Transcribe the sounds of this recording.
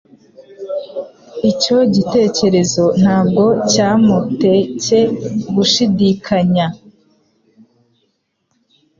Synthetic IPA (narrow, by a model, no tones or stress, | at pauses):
ico̞ɟite̞ːce̞ɾe̞zo̞n̥haːbɡo̞caːmute̞ce̞ɡuʃidikʰaɲa